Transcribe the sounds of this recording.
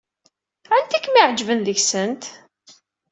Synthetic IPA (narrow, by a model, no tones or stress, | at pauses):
ænt̪ikmiʕd͡ʒvənðəʝsənt̪